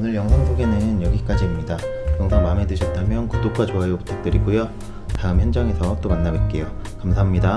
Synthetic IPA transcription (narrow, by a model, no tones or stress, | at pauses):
onɯɭjʌŋsʰʌŋsʰoɡe̞nɯnjʌɡik͈ad͡ʑiːmɲidajʌŋsʰʌŋmame̞dɯɕʰʌt̚t͈amjʌnkudok̚k͈at͡ɕoɦajopu̥tʰak̚t͈ɯɾiɡujo | taɯmçjʌnd͡ʑʌŋe̞sʰʌt͈omanːaɡwet̚k͈e̞jokamsʰaɦamɲida